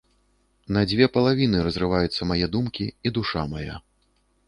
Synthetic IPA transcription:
nɐd͡zʲvʲɛpɐlˠavʲinɨɾɐzrɨvajut̪sːɐmajɛd̪umkʲiid̪uʂamaja̰

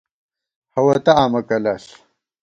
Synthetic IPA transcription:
hɐwɐt̪ɐaːmɐkɐlaɬ

